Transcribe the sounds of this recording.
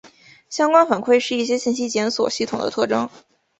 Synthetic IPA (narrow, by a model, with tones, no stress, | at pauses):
ɕjɑ˥ŋkwa˥nfa˨˩nkʰwe˥˧ɪʂɻ̩˥˧i˥˩ɕjɛ˥ɕi˥˩nɕi˥t͡ɕjɛ˧˥nswɔ̰˨˩ɕi˥˩t̪ʰʊ˨˩ŋd̪ə̰˦ɤ˥˩ʈ͡ʂɤ˥ŋ